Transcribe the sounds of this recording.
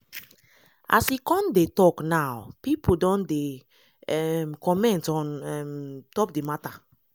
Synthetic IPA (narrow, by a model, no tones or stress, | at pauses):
ʔa̰sikɔ̃ndetɔknawpipodɔ̃nde | ɛmkɔmɛ̃ntɔ̃nɛmtɔp̚demata